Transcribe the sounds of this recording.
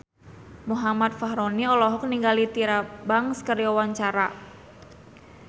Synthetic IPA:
muɦamat̪̚fahɾoniɔlɔɦɔk̚niŋɡalit̪iɾabaŋskərjɔwaɲt͡ʃaɾa

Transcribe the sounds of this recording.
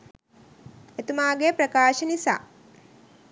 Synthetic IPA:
et̪umaːɡepɾɐkaːʃənisa̰ː

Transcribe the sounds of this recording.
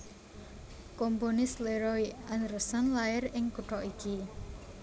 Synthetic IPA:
komponɪsleɾɔjanɾəsanlaɪɾɪŋkuʈɔʔiki

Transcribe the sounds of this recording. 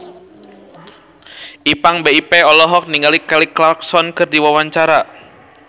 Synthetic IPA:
ʔipaŋbeipɛɔlɔɦɔk̚niŋɡalikaliklark̚sɔnkɨrdiwawaɲt͡ʃaɾa

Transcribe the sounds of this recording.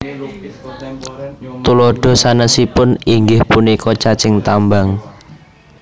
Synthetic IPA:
t̪ulɔɖ̥ɔ̤sanəsipʊniŋɡɪhpunikʰɔt͡ʃat͡ʃɪŋt̪ambaŋ

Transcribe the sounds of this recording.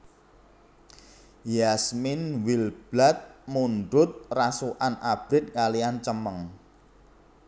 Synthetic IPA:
jasmɪnwilb̥lat̪̚muɳɖʊt̪̚rasuʔanab̥ɾɪt̪̚kaliant͡ʃəməŋ

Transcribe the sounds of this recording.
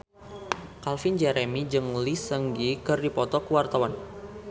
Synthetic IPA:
kalfind͡ʒɛɾemid͡ʒɨŋlisəŋɡikɨrdipɔt̪ɔkəwart̪awan

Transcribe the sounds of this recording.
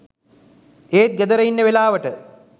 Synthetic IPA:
eːt̪̚ɡəd̪əɾɐinːəʋelaːʋəʈə

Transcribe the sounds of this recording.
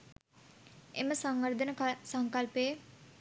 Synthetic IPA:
ḛmɐsʌŋwɐɾd̪ʱənsʌŋkɐlpe

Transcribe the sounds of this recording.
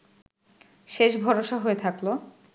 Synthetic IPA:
ʃeʃbʱɔɾoʃaɦoet̪ʰaklo

